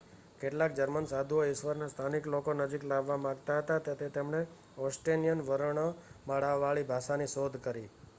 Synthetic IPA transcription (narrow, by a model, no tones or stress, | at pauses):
keʈlak̚d͡ʒəɾmənsad̪ʱuoɪʃʋəɾnast̪ʰaniklokonəd͡ʒiklaʋːamãɡt̪aɦət̪at̪jat̪ʰet̪emɳe | ɔsʈenijənʋəɾəɳ̃əmaɽaʋːaɭibʱaʃaniʃod̪ʱkəɾi